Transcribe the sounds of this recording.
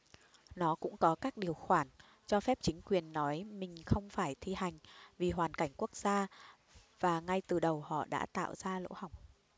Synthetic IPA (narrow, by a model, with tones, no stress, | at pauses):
nɔ˨˦kʊ̰˧˥ŋ͡mkɔ˨˦kaː˦˥k̚ɗi˨˩əwxwaː˧˩n | t͡ɕɔ˧fɛ˦˥p̚t͡ɕï˨˦ŋ̟kwi˨˩ənːɔ˨˦jmï˨˩ŋ̟xə˧wŋ͡mfaː˧˩jt̪ʰi˧ha˨˩jŋ̟vi˨˩ɦwaː˨˩nka˧˩jŋ̟ku˦˥ək̚z̥aː˧ | vaː˨˩ŋa˧jt̪ɨ˨˩ɗə˨˩whɔ̰˧˨ɗa̰ː˧˥t̪a̰ː˧˨wz̥aː˧lo̰˧˥ha˨˩wŋ͡m̚